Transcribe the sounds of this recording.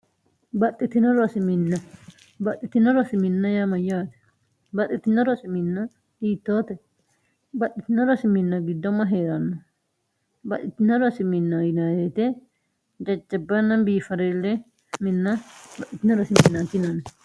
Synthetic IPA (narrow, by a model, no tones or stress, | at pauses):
bɐt̪ʼːɪt̪ɪnɐɾɔɐsɪmɪnːɐ | bɐt̪ːɪt̪ɪnɐɾɔɐsɪmɪnːɐjamɐjːaːt̪ɛ̥ | bɐt̪ːɪt̪ːɪnːɐɾɔsɪmɪnːɐ | iːt̪ːoːt̪ɛ | bɐt̪ʼːɪt̪ɪnːɐɾɔsɪmɪnːɐɡɪd̪ːɔmːɐɦeːɾɐnːɔ | bɐʔ̪ɪt̪ːɪnːɐɾɔɐsɪmɪnːɐjɪnɐjeːt̪ɛ | d͡ʒɐd͡ʒːɐbːɐnːɐbiːfɐɾelːɛ | mɪnːɐbɐtːɪt̪ɪnɐɾɔsɪmɪnːɐt̪ɪnɐnɛ